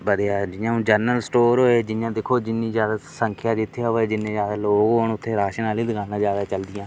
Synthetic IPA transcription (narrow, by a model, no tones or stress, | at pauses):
bəd̪jaːd͡ʒɪjãːũːd͡ʒəɾnəlsʈoːɾɦoːeːd͡ʒɪjãːd̪ekʰːoːd͡ʒɪnːĩːzjaːd̪aːsəŋkʰɪjaːd͡ʒɪt̪ʰːejaoeːd͡ʒɪnːẽːd͡ʒaːd̪aːloːkɦoːnʊt̪ʰːeːɾaːʃənaːliːd̪əɡaːnãːd͡ʒaːd̪aːt͡ʃəld̪ɪjãː